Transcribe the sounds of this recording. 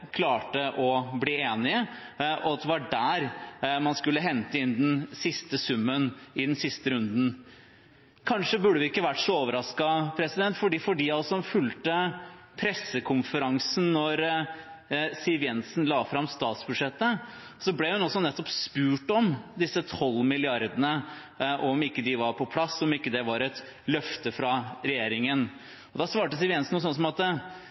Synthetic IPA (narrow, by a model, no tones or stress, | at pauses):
kʰlɑːʈəʔɔbliːeːnɪəʔɔɑt̪̚ːɛʋɑɖæɾmɑnskʉlːəɦɛnt̪əɪnd̪ɛnsɪst̪əsʉmːənɪd̪ɛnsɪst̪əɾʉnd̪n̩ | kʰɑnʂəbʉɖːəʋɪɪkːəʋæʈːʂɔoːʋəɾɑskɑpʰɾɛsɪd̪ɛnt̪fɔɖiːfɔɖiːɑlsɔmfʉlt̪ə | pʰɾɛsːəkʰʊmfəɾɑŋsnːɔɾ | sɪlʋjɛnsnlɑːfɾɑmst̪ɑːt̪sbʉd̪ʂɛt̪ːə | sɔblɛhʉnɔsːɔnɛt̪ːɔpspʉːʈɔmd̪ɪsːət̪ʰɔlːmɪlɪɑɾd̪ənə | ʔɔmɪkːəd̪ɪʋɑɾpʰɔpʰlɑsːɔmɪkːəd̪ɛʋɑɾɛt̪ | lœft̪əfɾɑɾɛjeːɾɪŋən | ɔd̪ɑsʋɑːʈəsɪlʋjɛnsn̩uːsɔnəs̬ɔmɑt̪